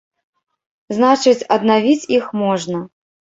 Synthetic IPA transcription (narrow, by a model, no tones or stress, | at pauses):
znat͡ʂɨt͡sʲɐd̪navʲit͡sʲixmɔʐnɐ